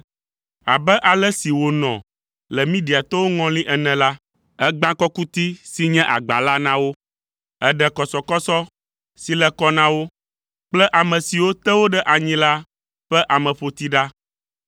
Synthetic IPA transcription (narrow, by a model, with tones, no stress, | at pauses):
a˨bɛ˦ʔa˨lɛ˦si˨wo˨nɔ̰̃˨ | lɛ˨mĩ˦ɖi˨a˨t̪ɔ˦wo˦ŋɔ̃˦lĩ˦ʔɛ˨nɛ̃˨la˦ | ɛ˦ɡ͡bã˦kɔ˦ku˦t̪i˦si˦ɲɛ̃˦ʔa̰˨ɡ͡ba˨la˦nã˦wo˦ | ɛ˦ɖɛ˨kɔ˨sɔ˨kɔ˦sɔ˦ | si˨lɛ˦kɔ˦nã˦wo˦ | k͡plɛ˦ʔa˨mɛ̃˨si˨wo˦t̪ɛ˦wo˦ɖɛ˦ʔa˨ɲĩ˦la˦ | ɸɛ˦ʔa˨mɛ̃˨ɸo˨t̪i˦ɖa˦